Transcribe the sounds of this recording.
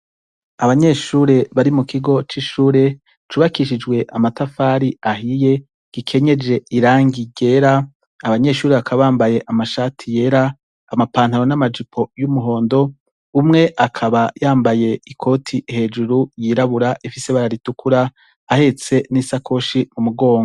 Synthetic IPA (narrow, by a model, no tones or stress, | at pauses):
aβaɲe̞ʃuːɾe̞βaɾimukʰiɡo̞t͡ʃiʃuːɾe̞ | t͡ʃuːβakiʃid͡ʒɡwe̞ʔamatafaːɾiahije̞ | ɡ̥ikʰe̞ɲe̞d͡ʒe̞iɾaːŋɡiɟe̞ɾaː | βaɲe̞ʃuːɾe̞βakʰaβaβaːmbaje̞ʔamaʃatʰije̞ɾaː | mapaːn̥haɾo̞namad͡ʒipʰo̞jumuɦo̞ːndo̞ | umŋe̞ʔakʰaβajaːmbaje̞ikʰo̞tʰihe̞d͡ʒuɾujiːɾaβuɾaʔifise̞βaɾaɾitukʰuɾaː | he̞t͡se̞nisakʰo̞ʃimumuɡo̞ːŋɡo